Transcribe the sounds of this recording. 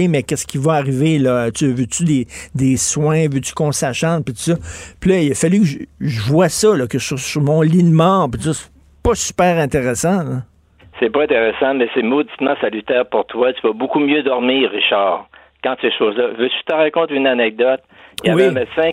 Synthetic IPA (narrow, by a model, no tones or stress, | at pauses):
emɛkʲɛskʲivɔaʁivelʌt̪yvøt̪yd̪ed̪eswɛ̃vøt̪y̥kɔ̃saʃɑ̃pit̪u̥sɔpilʌiləfalykəʒəʒəvwasʌlʌkəsyʁsyʁmɔ̃linmɑ̃pit̪usɔsɛ̥ | pʌsy̥pɛːʁɛ̃t̪eʁesɑ̃lʌ | sɛpɔɛ̃t̪eʁɛsɑ̃mɛsɛmod̪i̥t̪mɑ̃salyt̪ɛːʁpuʁt̪wat̪yvɔbukumjød̪ɔʁmiːʁːiʃaːʁ | kɑ̃t̪seʃoːzlʌvøt̪y̥t̪əʁakɔ̃t̪ynanɛk̚d̪ɔt̪̚jawiɛmed̪sɛ̃